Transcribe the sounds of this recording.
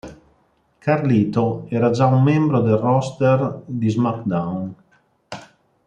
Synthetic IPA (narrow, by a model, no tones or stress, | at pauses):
kʰaɾliːt̪oɛːɾad͡ʒaumːembɾod̪elrɔst̪erd̪izmakd̪awn